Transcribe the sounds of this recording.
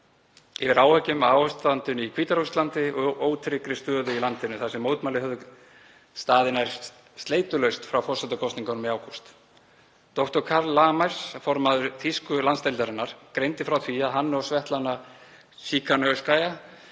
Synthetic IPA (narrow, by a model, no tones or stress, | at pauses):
ɪvɪɾaːwhɛcːʏmaːwʏst̪ant̪ʏnikʰiːt̪aɾust̪lant̪ɪɔʔoːwt̪ʰɾɪkɾɪst̪œːðʏilant̪ɪnʏθasɛmːowt̪malɪɦœðʏ | st̪aːðɪnaɾ̥ | st̪leːjt̪ʏlœɥst̪fɾawfɔrsɛt̪akʰɔwst̪niŋkanmɛaːwkʰɔst̪ | t̪ɔht̪ɔɾ̥kʰaɾlːaːmajɾ̥sfɔɾmaðʏɾθiskʏlanst̪ejlt̪aɾɪnːaɾ̥kɾejnt̪ɪfɾawθʰviaðɦanːɔɣsvɛht̪lanːa | siːkʰanœskaːja